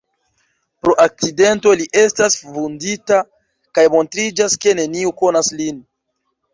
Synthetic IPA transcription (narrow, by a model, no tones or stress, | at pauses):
pɾo̞ʔak̚t͡side̞nto̞liʔe̞stasvundita | kajmo̞ntɾid͡ʒaske̞ne̞niuko̞naslin